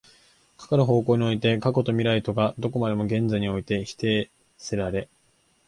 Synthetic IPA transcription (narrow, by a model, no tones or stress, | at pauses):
kʰḁkaɾɯ̟ɦo̞ːko̞ːɲ̟io̞it̪e̞kako̞t̪o̞mʲiɾait̪o̞ɡad̪o̞ko̞mad̪e̞mo̞ɡẽ̞nd͡zaiɲ̟io̞it̪e̞çi̥t̪e̞ː | seɾaɾe̞